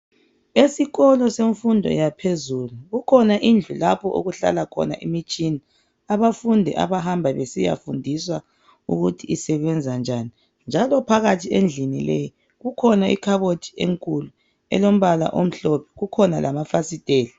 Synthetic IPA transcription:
esiɣɔlɔseɱfundʱɔ̰japʰezuluɣukʰɔnaʔind͡ɮʱulapʰɔʔṵɣuɬa̰lakʰɔ̰na̰ʔimit͡ʃʼini | aβafundʱɛ̰ʔa̰βaɦambʱaβesija̰fundʱiswa | uɣutʰiːsɛβɛnd͡zʱand͡ʒʱaːni | nd͡ʒʱalɔpʰaɣatʰiend͡ɮʱinileji | ɣukʰɔnaʔḭkʰaβodʰʱʼi̥eŋkʼulu | ɛ̰lom̩βala̰ʔom̩ɬɔpʰɛ̥ɣukʰɔnalʔamafasitʼeːli

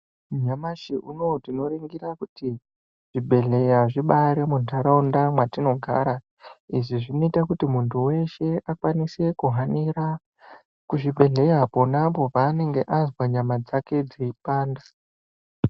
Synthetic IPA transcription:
ɲamaʃiʔuno̞tino̞ɾeŋɡiɾakuti | ʐ̥ibʱe̞ɮe̞jaʐiɓaɾemuntaɾaundamwatino̞ɡʱa̰ːɾa | iʐiʐino̞itakutimuntʰuwe̞ʃe̞ʔakwanise̞kuɦaniɾa | kuʐibʱe̞ɮe̞japo̞napopaːne̞ŋɡe̞ʔazwaɲamad͡zake̞d͡ziipaːnda

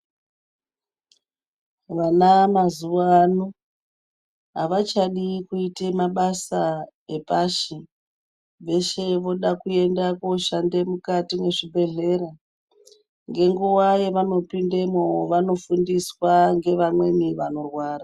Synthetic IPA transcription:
ʋanamazuʋanu | ɦa̰ʋat͡ʃaɗikuitemaɓasae̞paʃi | ʋe̞ʃe̞ʋo̞ɗakue̞ndakoʃande̞mukatine̞ʐibʱe̞ɮe̞ɾa | ŋɡe̞ŋɡuwaje̞ʋano̞pindemoʋano̞fundiswaŋɡe̞ʋamwe̞miʋano̞rwaːra

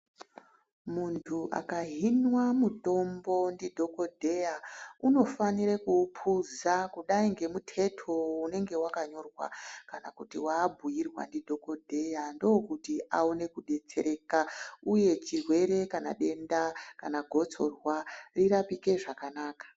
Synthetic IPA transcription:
muntʰuʔa̰kaɦinwamuto̞mbo̞ndidʱo̞ko̞dʱe̞jauno̞faniɾekuːpʰuzakuɗaiŋɡe̞mutʰe̞tʰo̞une̞ŋɡe̞wakaɲo̞rwa̰kanakutiwaːbʱujirwa̰ndidʱo̞ko̞dʱe̞jando̞kutiʔaone̞kuɗe̞t͡se̞̰ɾe̞kauje̞t͡ʃirwe̞ɾe̞kana̰ɗe̞ndakanaɡʱo̞t͡so̞rwariɾapike̞ʐakanaːkḁ

